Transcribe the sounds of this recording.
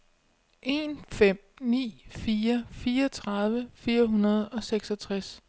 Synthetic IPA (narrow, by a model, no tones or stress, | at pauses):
ʔe̝nfem̰nḭːfiːɐfiːɐt͡sʰʁɑ̈ðˠʋəfiːɐɦunɐð̞ˠɒ̽seɡ̥sɒt͡sʰʁas